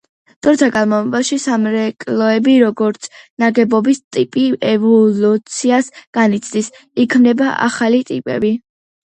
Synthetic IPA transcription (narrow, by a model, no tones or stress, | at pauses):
d̪̥ɔɾt̪ʰaɡanmɔvɛbaʃisamɾɛkʼlɔɛbiɾɔɡɔɾt̪sʰnaɡɛbɔbist̪ʼipʼiɛvɔlut̪sʰiasɡ̥anit̪sʰd̪is | ikʰmnɛbaʔa̰χalit̪ʼipʼɛ̰bi